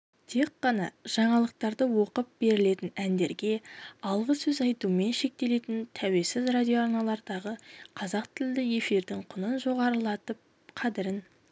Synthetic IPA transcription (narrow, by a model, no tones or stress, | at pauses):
t̪ʰe̞kːɑnɑʒ̥ɑɴɑlˠəq̚t̪ɑɾd̪əwo̞qəp̚b̥e̞ɾɪle̞t̪ɪnænd̪e̞ɾɡʲe̞ɑlˠʁəsɵzɑjt̪ume̞nʃe̞k̚t̪e̞le̞t̪ɪnt̪ʰæwe̞sɪzrad̪ʲijo̞aɾnɑlˠɑɾd̪ɑʁəqʰɑzɑq̚t̪ʰɪld̪ɪje̞fiɾd̪ɪŋqʰʊnənʒo̞ʁɑɾəlˠɑt̪əp̚ | qʰɑd̪ɪɾɪn